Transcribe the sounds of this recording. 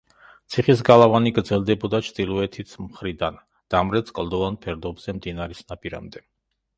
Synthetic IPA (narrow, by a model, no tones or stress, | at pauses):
t̪sʰiχis̬ɡalˠavaniɡɾd̪zɛlˠd̪ɛbɔd̪at͡ʃʰt̪ʼilˠuɛt̪ʰit̪sʰmχɾid̪an | d̪̥amɾɛt̪skʼlˠd̪ɔvanpʰɛɾd̪ɔbz̥ɛmd̪inaɾɛsnapʼiɾa̰md̪ɛ